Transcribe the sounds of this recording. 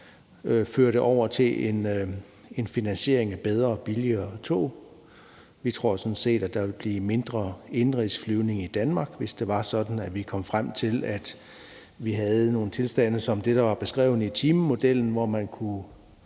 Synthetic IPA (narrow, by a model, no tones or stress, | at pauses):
føɐɾəʔɒʊ̰ɐt͡sʰe̝lʔe̝n | e̝nfinænɕe̝̰ɐ̰e̝ŋæb̥eð̞ˠʁɐːb̥iliɐt͡sʰo̝̰ː | ʋit͡sʰʁo̝ɐ̰sɒ̽n̩se̝̰ːd̥ædd̥ɑ̈ʋe̝lb̥liːme̝nd̥ʁɐe̝nʁisflyʊne̝ŋid̥ænmɑ̈ːɡ̥ʋe̝sd̥e̝ʋɑ̈sɒ̽d̥n̩æʋikʰɒ̽m̰fʁam̰t͡sʰe̝læd̥ | ʋiɦæð̞̩ˠno̝ːn̩t͡sʰe̝lsd̥æn̰əsɒ̽md̥e̝d̥ɑ̈ʋɑ̈b̥e̝sɡ̥ʁɛ̰ːʊnəit͡sʰiːməmo̝d̥el̰n̩ʋɒmænkʰu